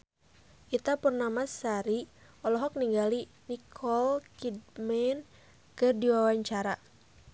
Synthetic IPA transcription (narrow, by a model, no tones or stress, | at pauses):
ʔit̪apərnamasaɾi | ɔlɔɦɔk̚niŋɡali | nikʰɔlkid̚mɛn | kɨrdiwawaɲt͡ʃaɾa